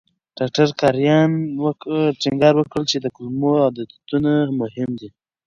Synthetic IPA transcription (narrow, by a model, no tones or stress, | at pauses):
ɖ̥ɑk̚ʈaɾkɑɾjɑnwʈiŋɡɑɾwəkɽəlt͡ʃed̪əkʊlmoawd̪ət̪unamʊɦɪmd̪i